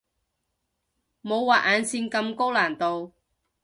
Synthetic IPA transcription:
mo˨˧wwaː˨ʔaː˨˧nsiː˧nkɐ˧mko˥wlaː˨˩nt̪o˨˧w

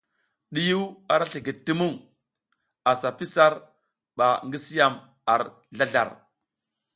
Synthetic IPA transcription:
ɗi˦ju˦wa˨ɾa˦ɬi˨ɡi˨tːi˦mu˦ŋ | a˨sa˨pi˦sa˦ɾ | ɓa˨ŋɡi˦si˦ja˨m | a˨ɾ | ɮa˦ɮa̰˨ɾ

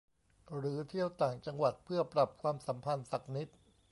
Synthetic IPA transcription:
ɾɯː˩˦t̪ʰi˥˩əwt̪aː˨˩ŋt͡ɕa˧ŋwa˨˩t̪̚pʰɯ˥˩ɐpɾa˨˩p̚kʰwaː˧msa˩˦mpʰa˧nsa˨˩k̚ni˦˥t̪̚

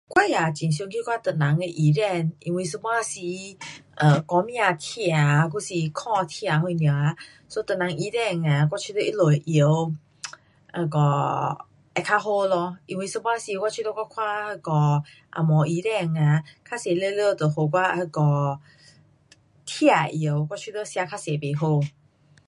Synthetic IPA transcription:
kwa˦ja˨t͡ɕĩ˨ns̬o˧ŋki˦kwa˦˨t̪ə˨nã˨˦ŋe˧ʔi˨ɾɛ˧˨nʔḭ˧wi˧˦sə˧bwa˧si˧ʔə̃˨kɔ˧˦mj̃ã˧˨t̪ʰja˨k̬u˦si˧kʰɔ̃˦˧t̪ʰi˧a˨hwu˧˨nja˨a˧˦ | so˦t̪ə˨nã˨ŋʔi˧˦ɾɛ˧˩˨ŋa˨k̬wa˦t͡ʃʰi˧˦lə˧˦ʔi˦lo˨ʔə˨˦ | ʔə˧˨kɔ˧ | ʔɛ˧˨kʰa˧˦ɦo˦lɔ˧ʔi˧wi˧˨sə˧ba˦˧si˧kwa˦t͡ʃʰwi˦˧tə˦kʷa˦kʰwa˦˧hə˧˨kɔ˧ | ʔa̰˨mɔ̃˨ʔi˧˦ɾɛ˧˨ŋa˨kʰa˦se˨lə˧˨lə˧˨˧t̪ə˨ho˧˨k̬wa˦˧hə˧˨kɔ˧˨ | t̪ʰija˨ʔjə˨˦wkʷa˦t͡ʃʰi˦t̪ə˦sja˧kʰa˦se˨be˨ɦo˧˨

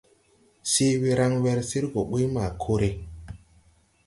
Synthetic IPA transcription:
si˦wi˦ɾa˦ŋwɛ˧ɾsi˦ɾɡo˨ɓi˦ma˨kʰo˦ɾe˦

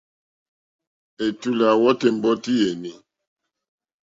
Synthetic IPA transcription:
e˨tu˦la˨wɔ˦te˨m̩˦bɔ˦ti˦je˨ni˨

